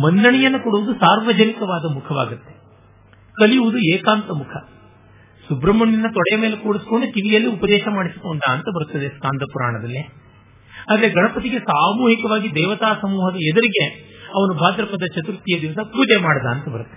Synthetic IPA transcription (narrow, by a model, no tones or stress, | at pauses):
mɐnːɐɳijɐnːɐkoɽuʋud̪usaːɾʋɐd͡ʒɐnikɐʋaːd̪ɐmukʰɐʋa̰ːɡut̪ːe̞ | kɐlijuʋud̪ueːkaːnt̪ɐmukʰɐ | subɾɐmɐɳːinːɐt̪ɔɽɛjɐmeːlekoːɽisi̥koɳɖuk̪iʋijɐlːiupɐd̪ɛːʃɐmaːɽisuk̪oːnd̪aːnt̪ɐbɐɾut̪ːɐd̪eskaːnd̪ɐpuɾa̰ːɳɐd̪ɐlːe | aːd̪ɐɾeɡɐɳɐpɐt̪̬iɡe̞saːmuːɦikɐʋaːɡid̪ɛːʋɐt̪aːsɐmuːɦɐd̪ɐɛd̪ɐɾiɡe̞ɐʋɐnubʱaːd̪ɾɐpɐd̪ɐt͡ʃɐt̪uɾut̪ːijɐd̪iʋɐsɐkuːd͡ʒemaːɽɐd̪ɐːnt̪ɐbɐɾut̪ːɐ